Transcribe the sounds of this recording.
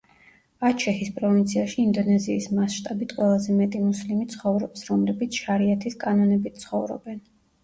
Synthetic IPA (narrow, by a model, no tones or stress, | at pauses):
at͡ʃʰɛhispʼɾɔvint̪sʰiaʃiːnd̪ɔnɛziːsmasʃt̪ʼabit̪ʰqʼwɛlˠazɛmɛt̪ʼimuslimit̪sʰχɔvɾɔpsɾɔmlɛbit̪sʰʃaɾiat̪ʰiskʼanɔnɛbit̪̚sʰχɔvɾɔ̰bɛn